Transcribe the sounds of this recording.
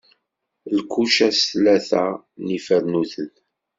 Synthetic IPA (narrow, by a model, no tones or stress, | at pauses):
lkːuʃæsθlæθæ | nifəɾnuθəl